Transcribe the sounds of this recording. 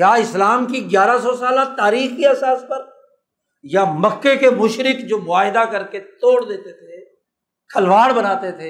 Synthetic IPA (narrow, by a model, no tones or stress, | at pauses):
aːɪslaːmkiɡjaːɾas̬ɔsaːlat̪aːɾiːxkiɛsaːspɐɾ | jamɐkːekemʊʃɾɪkd͡ʒoːmʊaːɦɪd̪akɐɾket̪oːɽd̪eːt̪et̪ʰe | kʰɐlʋaːɽbɐnaːt̪et̪ʰeː